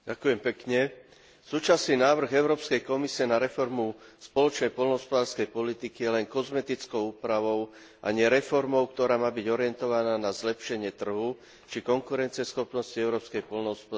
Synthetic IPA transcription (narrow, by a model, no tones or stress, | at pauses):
ɟakujɛmpɛkɲɛ | suːt͡ʃasniːnaːʋr̩ɣɛʊɾɔːpskɛjkɔmisiɛnaɾɛfɔɾmuspɔlɔt͡ʃnɛjpɔlnɔɦɔspɔd̪aːɾskɛjpɔlit̪ikijɛlɛŋkɔzmɛt̪it͡skɔʊuːpɾaʋɔʊ | ʔa̰ɲɪɛɾɛfɔɾmɔʊk̚t̪ɔɾaːmaːbiɟɔɾɪɛnt̪ɔʋanaːnazlɛpʃɛɲɪɛt̪r̩ɦu | t͡ʃikɔŋkuɾɛnt͡siɛsxɔpnɔsciɛʊɾɔːpskɛjpɔlnɔɦɔspɔ